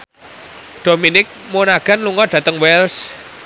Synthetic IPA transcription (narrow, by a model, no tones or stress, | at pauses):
ɖ̪̥o̤minɪk̚monaɡ̥a̤nluŋɔɖ̥ä̤t̪əŋwɛls